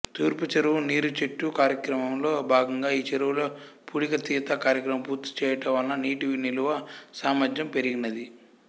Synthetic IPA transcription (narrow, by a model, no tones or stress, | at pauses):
t̪uːɾput͡ʃɐɾuʋuniːɾut͡ʃeʈːukaːɾjɐkɾɐmɐmlo̞ːbʱaːɡɐŋɡaːiːt͡ʃeɾuʋuloːpuːɽikɐt̪iːt̪ɐkaːɾjɐkɾɐmɐmpuːɾt̪i̥t͡ʃɛːjɐʈɐmʋɐlːɐniːʈiʋiniluʋɐsaːmɐd͡ʒjɐmpeɾiɡinɐd̪i